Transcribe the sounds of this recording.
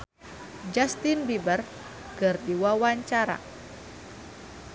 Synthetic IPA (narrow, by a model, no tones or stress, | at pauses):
d͡ʒast̪inbibər | kərdiwawaɲt͡ʃaɾa̰